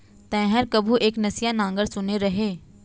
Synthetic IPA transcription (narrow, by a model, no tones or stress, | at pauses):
t̪ɛ̃ːɦəɾkɐbʱuʔeːknɐsijanãːŋɡəɾsʊneɾɐɦeː